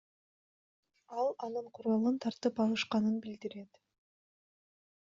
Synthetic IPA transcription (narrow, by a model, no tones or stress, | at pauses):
ɑlˠɑnɯɴqʰuɾɑlˠɯnt̪ʰɑɾt̪ɯpɑlˠɯʃqɑnɯnbild̪iɾe̞t̪